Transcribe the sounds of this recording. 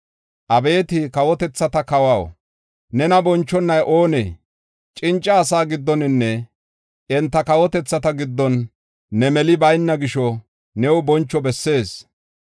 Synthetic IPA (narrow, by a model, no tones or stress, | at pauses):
ʔɐbe̞ːt̪ɪkɐwɔt̪ɛt͡sːɐt̪ɐkɐwaw | nɛnɐbɔnt͡ʃːɔnːɐjʔo̞ːnḛː | t͡ʃʼɪnt͡ʃʼːɐːsaːɡɪd̪ːɔnɪnːɛ | ʔɛnt̪ːɐkɐwɔt̪ɛt͡sːɐt̪ɐɡɪd̪ːɔnː | ɛmɛlɪbɐjnːɐɡɪʃɔ | nɛwʊbɔnt͡ʃːɔbɛsːe̞ːs